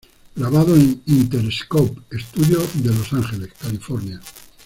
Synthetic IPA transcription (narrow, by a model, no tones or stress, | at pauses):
ɡɾaβ̞að̞oenint̪e̞ɾeskowpe̞st̪uðjoðe̞lo̞saŋxe̞le̞skalifo̞ɾnja